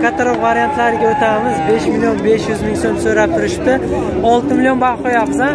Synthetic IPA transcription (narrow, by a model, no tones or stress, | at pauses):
kʰat̪ʰaɾopvaɾijant̪lˠɑɾɡʲewot̪ʰɑməzbeʃmilʲˠjo̞nbesʒʏzmɪŋso̞msɵɾɑp̚t̪ʰɪɾɪʃɪ̥p̚t̪ɪ | ɑlˠt̪əmilʲjo̞nbɑqojɑbzɑn